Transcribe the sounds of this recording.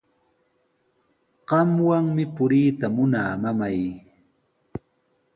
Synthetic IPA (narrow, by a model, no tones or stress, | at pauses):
ɢɑmwaŋmɪpʊɾiːt̪amʊnaːmamaj